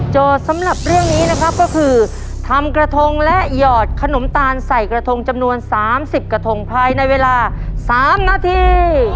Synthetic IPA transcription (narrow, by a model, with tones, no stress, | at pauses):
t͡ɕoː˨˩t̪̚sa˩˦mɾa˨˩p̚ɾɯ˥˩əŋniː˦˥na˦˥kʰa˦˥p̚kɔː˥˩kʰɯː˧ | t̪ʰa˧mkɾa˧t̪ʰo˧ŋlɛ˦˥ʔjɔː˨˩t̪̚kʰa˧no˨˩˦mt̪aː˧nsa˨˩jkɾa˧t̪ʰo˧ŋt͡ɕa˧mnu˧ənsaː˨˩˦msi˨˩p̚kɾa˧t̪ʰo˧ŋpʰaː˧jna˧jweː˧laː˧saː˨˩˦mnaː˧t̪ʰiː˧